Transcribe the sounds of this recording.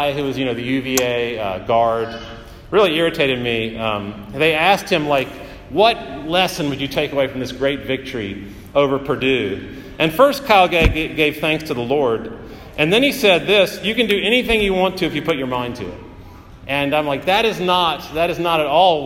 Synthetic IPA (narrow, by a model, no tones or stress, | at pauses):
ɪhʉwʌzjɨ̃ñoʊðɨjʉvieɪʌɡɑɹd̚ | ɹɪlˠiɪɹɨtʰeɪɾɨd̚miʌ̃mðeɪæst̚hɨ̃mlaɪk | wʌt̚lɛsɨ̃nwɨd͡ʒɨtʰeɪkəweɪfɹʌ̃mðɪsɡ̥ɹeɪtvɪk̚tʰə˞ḭ | oʊvə˞pʰə˞dʉ | ʔɨ̃nfɜ˞stkʰaɪlˠɡeɡeɪv̥θæ̃ŋkstʰɨðəlɔɹɾ | ʔɨ̃nðɨ̃nisɛd̪̚ðɪsjɨkɨ̃ndɨɛɾ̃iθɪ̃ŋjɨwɑ̃ntʰɨɨfjɨpʰʊt͡ʃə˞mãɪ̃ntʰɨ̰ɪ̰t̚ | ʔɨ̃nãɪ̃mlaɪk̚ðɨɾɨznət̚ðɨɾɨznəɾɨɾɔlˠ